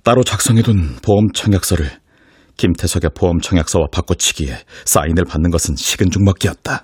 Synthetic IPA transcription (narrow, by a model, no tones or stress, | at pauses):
t͈aɾot͡ɕak̚s͈ʌŋɦe̞donpoʌmt͡ɕʰʌŋjak̚s͈ʌɾɯɭ | kimtʰe̞sʰʌɡe̞poʌmt͡ɕʰʌŋjak̚s͈ʌwapak͈ot͡ɕʰi̥ɡ̥ie̞s͈a̰inɯɭpanːɯnɡʌsʰɯnɕʰiɡɯnd͡ʑuŋmʌk͈iʌt̚t͈a